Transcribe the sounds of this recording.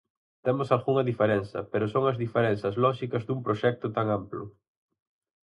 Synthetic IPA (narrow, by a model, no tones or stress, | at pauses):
t̪ɛmʊsalɣuŋɐðifeɾɛnθɐ̰peɾʊsoŋɐzðifeɾɛn̟θɐzlɔʃikɐzd̪umpɾoʃɛk̚t̪ʊt̪aŋamplʊ̰